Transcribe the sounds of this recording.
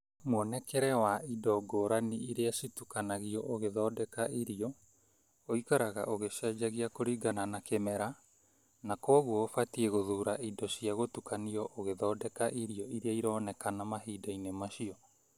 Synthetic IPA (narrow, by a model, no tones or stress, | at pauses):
mwɔnɛkɛɾɛwaidɔɡɔːɾaniiɾeasitukanaɣiɔʔoɣeðɔːdɛkaiɾiɔ | oikaɾaɣa̰ʔoɣeʃɛːd͡ʒaɣiakoɾiɡananakɛmɛɾa | nakɔɣwɔofatieɣoðuːɾaidɔʃiaɣotukaniɔʔoɣeðɔːdɛkaʔiɾiɔʔiɾeaiɾɔːnɛkanamaɦiːdainemaʃiɔ